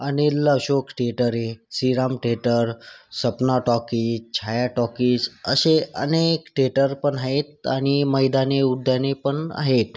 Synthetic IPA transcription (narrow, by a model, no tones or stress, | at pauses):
əneləʋɕokʈeʈəɾɦesiɾamʈeʈəɾsəpnaʈɔkiːst͡ɕʰajaʈɔkiːsə̰ɕeʔə̰nekʈeʈəɾpəɳaɦet̪̚aɽ̃iməjd̪aneud̪ʱjanepəɳa̰ɦet̪